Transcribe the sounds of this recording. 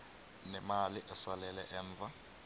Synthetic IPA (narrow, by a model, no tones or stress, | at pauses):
nɛmaliʔɛsalɛlɛʔɛːɱvʱa